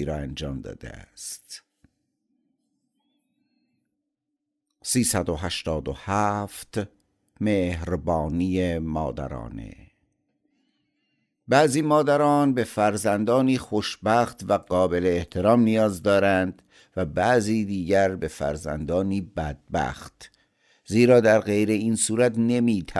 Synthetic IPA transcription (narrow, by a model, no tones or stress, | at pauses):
iɾɒːænd͡ʒɒːmd̪ɒ̰ːd̪ḛæ̰st̪ | siːsæd̪oɦæʃt̪ɒːd̪ohæft̪ | mehɾbɒːniːemɒ̰ːd̪æ̰ɾɒ̰ːnḛ | bæːziːmɒːd̪æɾɒːnbe̞fæɾzænd̪ɒːniːxoʃbæxt̪væɡɒːbe̞leːht̪ʰe̞ɾɒːmnijɒːzd̪ɒːɾænd̪̥ | væbæʔziːd̪iːɟæɾbe̞fæ̰ɾzæ̰nd̪ɒːniːbæd̪̥̚bæ̰xt̪ | ziːɾɒːd̪æɾɣe̞jɾe̞iːnsuːɾæt̪ne̞miːt̪ʰæ